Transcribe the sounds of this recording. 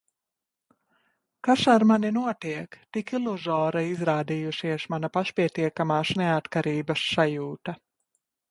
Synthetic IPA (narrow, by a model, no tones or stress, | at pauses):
kaʃaɾmaninuɔt̪iɛkt̪ikilˠuzɔːɾaizɾaːd̪ijuʃiɛsmanapaʃpʲiɛt̪iɛkamaːsneat̪kaɾiːbɐsːajuːt̪a